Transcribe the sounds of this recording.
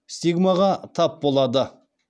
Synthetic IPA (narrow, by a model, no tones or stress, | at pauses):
st̪iɡmaʁɑt̪ʰɑp̚bo̞lˠɑd̪ə